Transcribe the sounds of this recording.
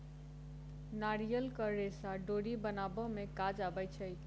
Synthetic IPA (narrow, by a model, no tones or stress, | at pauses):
naɾijəlkəɾːesaɖoɽibənabɔmekad͡ʒabəjt͡ʃʰəj